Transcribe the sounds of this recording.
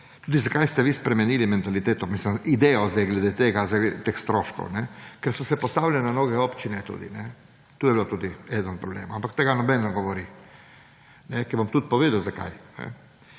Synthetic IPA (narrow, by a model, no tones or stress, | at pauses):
t̪uːd̪izakajst̪ɛʋispɾɛmɛnilimɛnt̪alit̪eːt̪ɔmisləmid̪ɛjɔzd̪ɛjɡlɛd̪et̪eɡazaɡet̪exst̪ɾoʃkɔ̰wnɛkɛɾsɔsɛpɔst̪awlʲɛnɔnoɡɛopt͡ʃinɛt̪ṵːd̪ḭnɛ | t̪uːjɛbilot̪uːd̪iɛd̪ənpɾɔblḛːmʊampakt̪eɡanɔbɛnːɛɡɔʋɔɾi | nɛkɛbɔmt̪ut̪̚pɔʋeːd̪əwzaka̰jnɛ̰